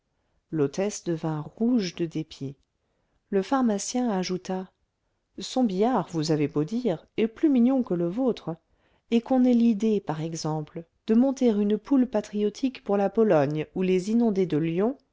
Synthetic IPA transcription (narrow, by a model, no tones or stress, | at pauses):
lot̪ɛsd̪əvɛ̃ʁuʒd̪əd̪epje | ləfaʁmasjɛ̃aʒut̪a | sɔ̃bijaʁvuzavebod̪iʁɛplymiɲjɔ̃kələvot̪χ | ekɔ̃nɛlid̪epaʁɛɡzɑ̃pl | d̪̥əmɔ̃t̪eʁynpulpat̪χiɔt̪ʰikpuʁlapɔlɔɲulezinɔ̃d̪ed̪əljɔ̃